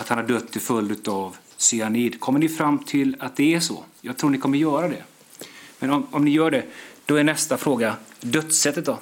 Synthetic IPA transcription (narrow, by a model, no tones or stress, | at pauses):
at̪hanhaɖœt̪ːɪfɵld̪ʉ̟ːt̪av | sʏaniːd̪kʰɔmːəɳɪfɾamːt̪ʰɪlat̪̚d̪ɛːʂɔ̰ːjɑːɡt̪ʰɾuːɳɪkʰɔmːəɾjœːɾad̪ɛ | mɛnɔmɔmnɪjœːɖɛd̪̥ɔɛɳɛst̪afɾoːɡad̪œt̪ːsɛt̪ːət̪̚d̪ɔ